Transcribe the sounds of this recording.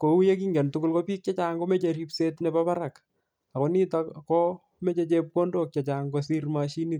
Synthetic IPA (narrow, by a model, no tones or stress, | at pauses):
koujekiŋɡɛntʊkʊlkɔpik̚t͡ʃat͡ʃaŋkomet͡ʃeɾipsetnɛpapaɾak | akɔnitakɔ | met͡ʃet͡ʃep̚kondok̚t͡ʃat͡ʃaŋkosirmaʃinit